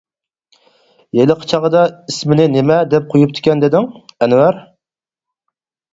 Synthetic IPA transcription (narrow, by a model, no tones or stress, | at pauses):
jelɨqʰə̥t͡ʃʰɑʁəd̪ɑismɪnɪnɪmɛd̪ɛp̚qʰojup̚t̪ʰɪ̥kʲɛnd̪ɪd̪ɪŋɛnwæɾ